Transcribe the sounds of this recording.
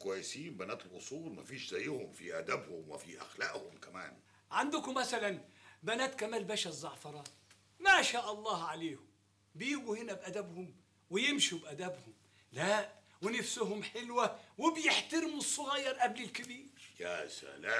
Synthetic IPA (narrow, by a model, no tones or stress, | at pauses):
kʊwajːɪsiːmbænæːt̪ɪlʔʊsˤuːlmæfiːʃzæjːhʊmfiʔæd̪æbhʊmwɪ̰fiʔa̰xlaːʔhʊmkæmæ̰ːn | ʕand̪ʊkʊmːæsælænbænæːt̪kæmæːlbæʃæzˤːɑʕfɑɾˤɑ | maʃaːʔɑlˤːɑːhʕaleːhʊm | bɪjɪɡuhɪnæbʔæd̪æbhʊm | wɪjɪmʃubʔæd̪æbhʊm | læʔ | wɪnafsʊɦʊmħɪlwawɪbjɪħt̪ɑɾɪmusˤːʊɣɑjːɑɾˤʔæblɪlkɪbiːɾjæsa̰la